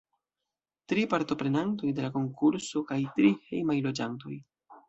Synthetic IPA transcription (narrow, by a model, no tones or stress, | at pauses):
tɾipaɾto̞pɾe̞nanto̞jde̞lako̞ŋkuɾso̞kajtɾihḛjmajlo̞d͡ʒanto̞̰j